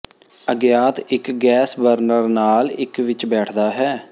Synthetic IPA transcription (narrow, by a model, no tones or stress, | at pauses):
əɡjaːt̪ɪkɡɛːsbəɾnəɾnaːlɪkʋɪt͡ʃbɛːʈʰd̪aːɦɛː